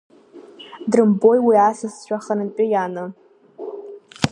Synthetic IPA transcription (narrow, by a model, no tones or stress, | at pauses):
drɨmbo̞jwiasɨsʃʷᶣaχənɨnpʼɪjanɨ